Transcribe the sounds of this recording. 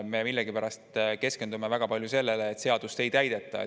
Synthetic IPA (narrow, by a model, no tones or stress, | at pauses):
me̞milːeɡipæɾɑst̪ke̞ske̞nd̪ume̞væɡ̥ɑpɑljuse̞lːe̞leːt̪ːˑse̞ɑd̪̥ust̪e̞jt̪æjd̪̥e̞t̪ːˑɑ̰